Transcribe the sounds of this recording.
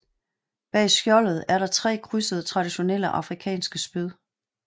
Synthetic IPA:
b̥ɛ̰ːsɡ̥jɒ̽lð̞̩ˠæɐɾɑ̈t͡sʰʁɛ̰ːkʰʁysəð̩ˠət͡sʰʁɑ̈d̥iɕo̝neləʔɑ̈fʁikʰɛ̰ːnsɡ̥əsb̥yðˠ

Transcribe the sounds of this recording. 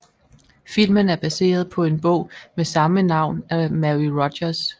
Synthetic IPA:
fil̰mənæɐb̥æse̝̰ːɐð̞ˠpʰɒ̽e̝nb̥ɔ̰ʊ̰mesɑ̈mənɑ̈ʊ̰næmæʁiʁɒdɐs

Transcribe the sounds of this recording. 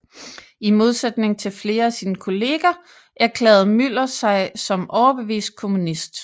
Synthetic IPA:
imo̝ð̞ˠsed̥ne̝ŋt͡sʰe̝lfle̝ːɐæsiːnəkʰo̝le̝ːɡ̥ɐ | ʔæɐkʰlɛ̰ːð̞̩ˠmyl̰ɐsɑ̈ɪsɒ̽mɒʊɐb̥e̝ʋḭːsd̥̚kʰo̝munisd̥

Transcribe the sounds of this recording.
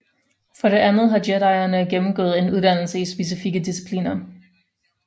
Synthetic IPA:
fɒ̽ɾe̝ʔænð̞̩ˠɦɑ̈deɾɑ̈ɪ̰ɐnəɡ̥emm̩ɡ̥ɔ̰ːð̩ˠe̝nuð̞ˠd̥æn̰l̩səisb̥e̝s̬ifiɡ̥əd̥isi̥pʰlḭːnɐ

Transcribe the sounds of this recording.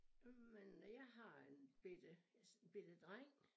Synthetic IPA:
menjɑ̈ɪɦɑ̈enb̥ed̥əb̥e̝d̥əd̥ʁaŋ̰

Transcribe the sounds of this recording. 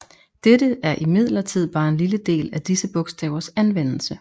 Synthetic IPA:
d̥eɾəæɐʔimið̞̰ˠlɐt͡sʰið̞̰ˠb̥ɑ̈ːe̝nliləd̥e̝̰ːlæd̥isəb̥ɔ̽ɡ̥sd̥ɛ̰ːʊɐsænʋen̰l̩sə

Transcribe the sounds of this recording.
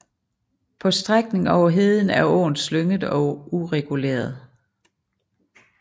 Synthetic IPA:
pʰɒ̽sd̥ʁaɡ̥ne̝ŋɒʊɐɦe̝ðˠn̩æɐɔ̰ːnsløŋəð̩ˠɒ̽uʁɛɡ̥ulḛːɐðˠ

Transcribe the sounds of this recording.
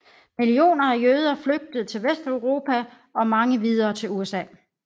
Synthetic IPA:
milio̝̰ːnɐæjøð̞ˠɐfløɡ̥̚d̥əð̞̩ˠt͡sʰe̝lʋesd̥əʊʁo̝ːpʰæ | ɒ̽mɑ̈ŋəʋið̞ˠɐːt͡sʰe̝luesɛ̰ː

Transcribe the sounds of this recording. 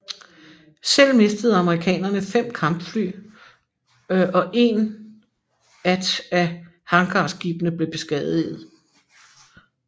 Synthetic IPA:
sel̰me̝sd̥əð̞̩ˠɑ̈məʁikʰɛ̰ːnɐnəfem̰kʰɑ̈mb̥fly̰ː | ʔɒ̽ʔe̝ːn | æd̥æ | hɑ̈ŋɡ̥ʰɑ̰̈ːsɡ̥ib̥nəb̥le̝b̥e̝sɡ̥ɛðˠið̩ˠ

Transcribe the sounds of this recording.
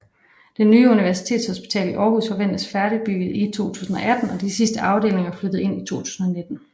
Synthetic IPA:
d̥enːyːuniʋæɐsi̥t͡sʰe̝̰ːd̥shɔsb̥i̥t͡sʰɛ̰ːliʔɒːɦusfɒ̽ʋen̰d̥əsfæɐɾib̥yɡ̥ð̩ˠit͡sʰo̝̰ːt͡sʰṵːsn̩ɒ̽ʔæd̥n̩ɒ̽d̥isisd̥əʔɑ̈ʊde̝ːle̝ŋɐflød̥əð̩ˠe̝n̰it͡sʰo̝̰ːt͡sʰu̥̰ːsn̩ɒ̽ne̝d̥n̩

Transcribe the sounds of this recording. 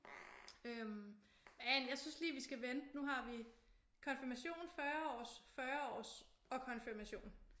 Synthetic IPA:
øm | ænjɑ̈ɪsynsliːʋisɡ̥æʋend̥nuɦɑ̈ʋi | kʰɒ̽nfiɐmæɕo̝̰ːn̩fɶɐɒ̰ːsfɶɐɒ̰ːs | ɒ̽kʰɒ̽nfiɐmæɕo̝̰ːn

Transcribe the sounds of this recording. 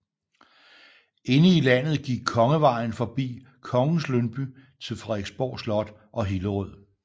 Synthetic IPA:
e̝nəilæn̰ð̩ˠɡ̥iɡ̥̚kʰɒ̽ŋəʋɑ̈ɪ̰n̩fɒ̽b̥ḭː | kʰɒ̽ŋn̩slønb̥y | t͡sʰe̝lfʁɑeɡ̥sb̥ɒ̰ːslɒ̽d̥ | ʔɒ̽ɦiləʁɔð̰ˠ

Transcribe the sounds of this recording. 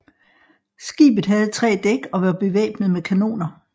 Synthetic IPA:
sɡ̥ḭːb̥ð̩ˠɦæð̞ˠt͡sʰʁɛ̰ːd̥eɡ̥ɒ̽ʋæɐb̥e̝ʋḛːb̥nð̩ˠmekʰæno̝̰ːnɐ

